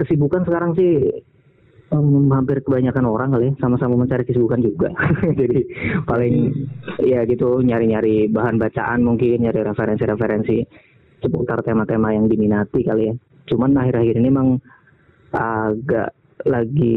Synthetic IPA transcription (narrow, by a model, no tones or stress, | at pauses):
kəsibukansəkaɾaŋsɪh | əmhampɪrkəbaɲakanoɾaŋkalisamasamaməɲt͡ʃaɾihkəsibukand͡ʒuɡa̰d͡ʒadipalɪŋjaɡit̪uɲaɾiɲaɾibaɦanbat͡ʃa̰ʔanmuŋkɪnɲaɾiɾefeɾɛnsiɾefeɾɛnsi | səput̪art̪emat̪emajaŋdiminat̪ikalija | t͡ʃumanaɦiɾahiɾinemaŋ | aɡa̰ʔ | laɡi